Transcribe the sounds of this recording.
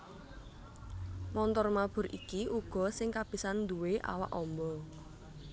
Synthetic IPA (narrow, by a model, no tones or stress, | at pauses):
mɔnt̪ɔrmab̥ʊ̤ɾḭkiʔuɡ̥ɔ̤sɪŋkab̥i̤sand̪uweʔa̰wa̰ʔɔmbɔ